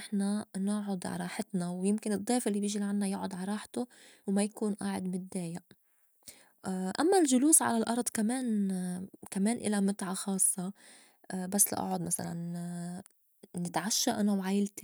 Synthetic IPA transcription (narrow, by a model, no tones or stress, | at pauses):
nɪħnanʊʕʊd̪ʕa̰ɾˤɑːħɪt̪nawjɪmkɪnɨd̪ˤːeːfʔɪlːibjɪʒilʕanːajʊʕʊd̪ˤʕaɾˤɑːħt̪ʊ | wmajakuːnʔaːʕɪ̰d̪mɪd̪eːjaʔ | ʔamːalʒʊluːsʕa̰lalʔɑɾˤd̪ˤkameːn | kameːnʔɪ̰lamɪt̪ʕaxɑːsˤːɑ | basːla̰ʔa̰ʕʊd̪ˤmasa̰la̰n | nɪt̪ʕaʃːaʔanawʕaːjɪlt̪i